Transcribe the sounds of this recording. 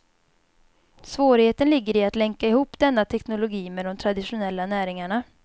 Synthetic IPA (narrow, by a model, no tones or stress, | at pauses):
svoːɾɪheːt̪ənlɪɡːəɾɪat̪lɛŋkaɪhuːpːd̪ɛnːat̪ʰɛknʊlʊɡiːmɛd̪ɔmt̪ʰɾad̪ɪʂʊnɛlːanæːɾɪŋaɳa